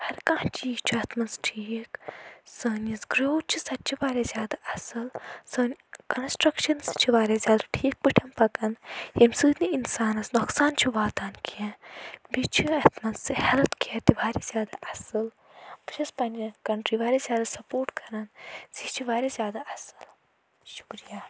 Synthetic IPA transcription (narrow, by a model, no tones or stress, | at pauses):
hɐɾkãːt͡ʃiːkt͡ʃʰiɐt̪ʰmɐnsʈʰiːksəːnʲɐsɡɾoːw̪̚t͡ʃʰisɐt̪ːt͡ʃʰiʋaːɾʲezʲjaːd̪aʔɐsɨlsəːnʲkɐnsʈɾɐkʃɐnst͡ʃʰiʋaːɾezʲjaːd̪aʈʰiːk̚pɨʈʰɐmpɐkɐnhimsɨːniinsaːnɐsnoksaːnt͡ʃʰiʋaːt̪aːnkiebit͡ʃʰiɐt̪ʰmɐssɨhɛlt̪kiɐt̪ibaːɾezjaːd̪aʔɐsɨl | bʈʰɐspɐnʲkɐɳʈɾiʋaːɾezʲjaːd̪asɐpoːɾʈkɐɾɐnzit͡ʃʰiʋaːɾezʲjaːd̪aɐsɨ̥l | ʃu̥kɾija